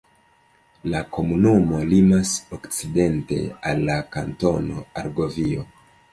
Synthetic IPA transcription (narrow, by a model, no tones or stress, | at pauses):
lako̞munumo̞limasokt͡side̞nte̞̰alːakanto̞no̞̰aɾɡo̞vio